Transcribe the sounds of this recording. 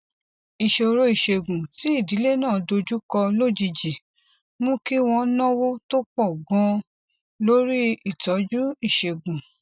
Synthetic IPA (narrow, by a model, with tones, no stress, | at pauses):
i˨ʃe˧o˧ɾo˦i˨ʃe˧ɡũ˨ti˨˦i˦˨di˨˦le˦˨nãː˦˨do˧d͡ʒu˦kɔ˧lo˦˨d͡ʒi˧d͡ʒi˨ | mõ˦ki˦w̃ɔ̃˧nɔ̃˦wo˦to˦k͡pɔ˦˨ɡɔ̃˧˦ | lo˦ɾi˦i˦˨tɔ˨˦d͡ʒu˦i˦˨ʃe˧ɡũ˨